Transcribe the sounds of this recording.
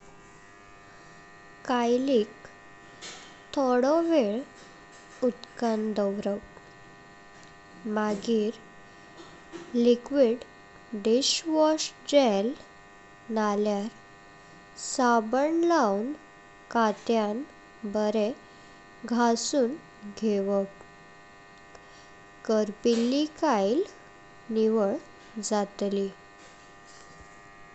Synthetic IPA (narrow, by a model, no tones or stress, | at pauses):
kajliːk | t̪ʰɔɽɔʋeɭ | ut̪kənd̪əwɾəw | maɡiːɾ | likʋiɽ | ɖiɕʋɔɕd͡ʑel | naljaɾ | sabəɳlawn | kat̪jan | bəɾe | ɡʱasuːn | ɡʱeʋək | kəɾpilːikail | niʋəɭ | d͡zat̪li